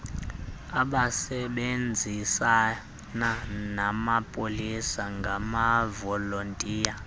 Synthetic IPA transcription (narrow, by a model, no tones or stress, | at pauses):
aɓasɛɓend͡zʱisa | nanamapʼolisaŋɡʱamavɔlontʼiːja